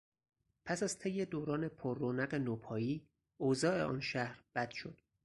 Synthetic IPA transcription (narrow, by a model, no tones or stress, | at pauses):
pʰæsæz̥t̪ʰejːe̞d̪oːɾɒːne̞pʰoɾːoːnæɣenoːpʰɒːjiː | ozɒːʔe̞̰ʔɒ̰ːnʃæhɾb̥æd̪̥ʃo̞d̪̥